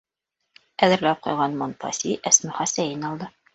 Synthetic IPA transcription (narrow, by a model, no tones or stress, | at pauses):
æðɘ̆ɾlæp̚qŏjʁɑnmonpɑ̰siʔæsmɘ̆χæsæjinɒlˠd̪ɤ